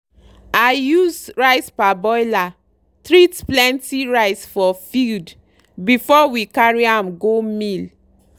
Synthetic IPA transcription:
ajuzɹaɪspabɔjla | tɹitplɛ̃ntiɹaɪsfɔfild | bifɔwikaɹiãmɡomil

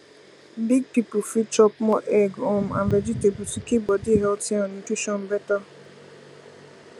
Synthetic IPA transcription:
biɡ̚pipʊfit͡ʃɔpmɔʔɛɡomã̰nved͡ʒitebusikibɔdiɦɛltɔ̃nutiʃɔnbɛta

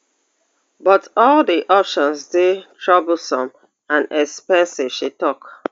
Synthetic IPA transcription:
bɔtɔldiʔɔpʃɔ̃nsdetʰɹɔbl̩ˠsɔ̃m | ãnɛkspɛ̃nsiv̥ʃitɔk

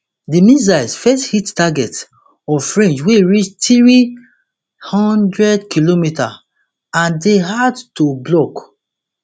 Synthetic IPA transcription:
dimĩzaɪsfɛsthittaɡɛt | ɔffɹẽnd͡ʒweɹit͡ʃtɹi | hɔ̃ndɹɛdkilomita | ãndeɦadtoblɔk

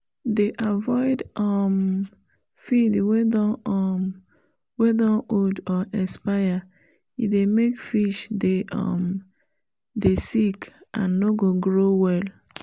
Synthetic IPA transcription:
deʔavɔɪdɔm | fidwedɔɔm | wɛdaʔodɔʔɛspaja | ḭdemekfiʃdeʔɔ̰m | desikã̰nːoɡoɡɾowɛl

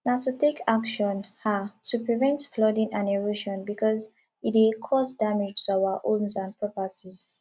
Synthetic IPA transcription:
natutekʰakʃɔ̃nhatupɹivɛ̃ntflɔdĩnãneɹoʃɔ̃nbikɔz | itwekʰɔsdamid͡ʒuawaʔõmsãnpɹɛpatiz̥

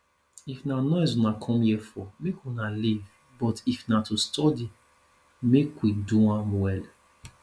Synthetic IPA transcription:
ifnanɔ̃jzunakʰɔ̃mjɛfɔmekunaliv | bɔtifnatustʰɔdi | mekwidũwãmwɛl

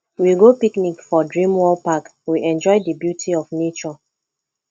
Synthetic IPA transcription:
wiɡopiknikfɔdɹĩmwɔlpakwiʔɛ̃nd͡ʒɔɪdibjutʰiɔfnet͡ʃɔ

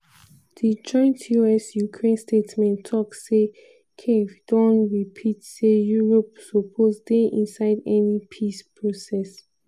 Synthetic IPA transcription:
did͡ʒɔ̃ɪ̃ntʰjuɛsjukʰɹẽnstetsmɛ̃ntʰːɔkse | kʰefd̥ɔ̃nɹipʰitsejuɹɔpsɔpʰozdɛ̃ʔĩnsaɪdɛnipʰispʰɹosɛs

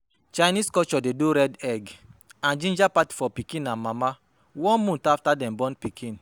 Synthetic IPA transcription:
t͡ʃajniskɔt͡ʃɔdeduɾɛdɛɡãnd͡ʒĩnd͡ʒapatfɔpikĩnãnmama | wɔ̃nmũntaftadɛ̃mbɔ̃npikʰĩn

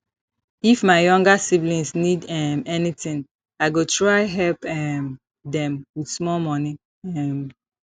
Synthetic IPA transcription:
ifmaɪjɔ̃ŋɡasiblĩnsnidɛmɛnitĩŋ | aɪɡotʰɹaɪɦɛlpɛm | dɛ̃mwidsmɔlmɔni | ɛm

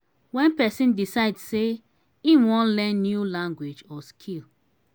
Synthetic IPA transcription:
wɛ̃npɛsĩndisaɪdse | ĩnwɔ̃nlɛ̃nːjulãŋɡwed͡ʒɔskʰil

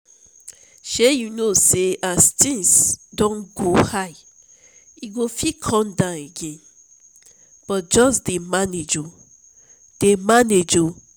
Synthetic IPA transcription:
ʃejunoseastĩnsdɔ̃nɡohaɪ | iɡofikʰɔ̃ndãneɡẽn | b̥ɔt̚d͡ʒɔsdemaned͡ʒo | d̥emaned͡ʒo

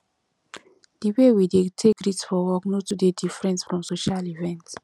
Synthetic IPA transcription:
d̥iwewidetʰekɹitsfɔwɔknotudedifɹɛ̃nsfɹɔ̃msoʃalivɛ̃nt

